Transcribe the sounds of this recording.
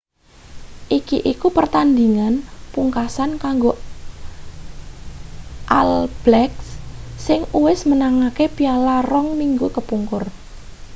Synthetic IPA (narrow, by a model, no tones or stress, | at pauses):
ʔikiʔikupərt̪and̪iŋanpuŋkasankaŋɡo | ʔa̰lb̥lɛkssɪŋuwɪsmənaŋakepialaɾɔŋmiŋɡukəpuŋkʊr